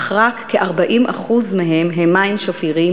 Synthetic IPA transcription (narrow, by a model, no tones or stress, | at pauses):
ʁakːeʔaʁbaʔimʔa̰χuzmeɦemɦemːajmʃofiʁi